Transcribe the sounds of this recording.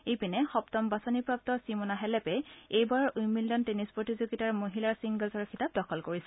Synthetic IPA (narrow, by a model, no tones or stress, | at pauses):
ejpinɛxɔptɔmbasɔnipɹap̚tɔsimɔnaɦɛlɛpɛejbaɹujmildɔntenispɹotizoɡitaɹmoɦilaɹsiŋɡɔlzɔɹkʰitap̚dɔkʰɔlkoɹisɛ